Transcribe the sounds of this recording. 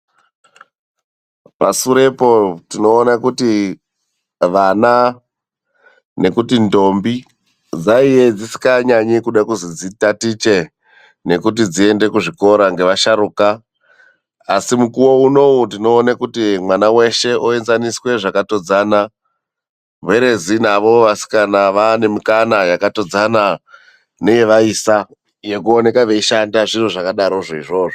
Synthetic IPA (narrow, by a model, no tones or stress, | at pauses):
pasuɾe̞po̞tino̞ːnakuti | ʋana | ne̞kutindo̞mbi | d͡zaijed͡zisi̥kaɲaɲekuɗakuzid͡zitatit͡ʃe̞ | ne̞kut̬id͡zie̞nde̞kuʐiko̞ɾaŋɡe̞ʋaʃaɾuːka | simukuwo̞uno̞udino̞ːnakutimwanawe̞ʃe̞oe̞nzaniswe̞ʐakato̞d͡zaːna | ʋeɾe̞zinaʋo̞ʋasi̥kanaʋane̞mikanajakato̞d͡zana | ne̞je̞ʋaisa | je̞kuone̞kaʋe̞iʃandaʐiroʐakaɗaɾo̞ʐoiʐo̞ːʐo